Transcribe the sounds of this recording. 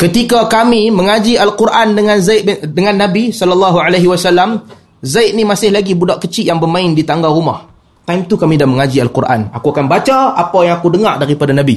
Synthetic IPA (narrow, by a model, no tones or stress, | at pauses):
kət̪ikakamiməŋad͡ʒialkurʔandəŋanzaɪt̪̚dəŋãnːabisɔlalːɑɦualaɦiwasalːam | zajt̪̚nimasɪhlaɡibudaʔkət͡ʃiʔjaŋbərmãɪndit̪aŋɡaɾuma̰h | t̪ajmt̪ukamidahməŋad͡ʒialkuɾʔa̰nakuakanbat͡ʃaapajaŋakudəŋardaɾipadanabi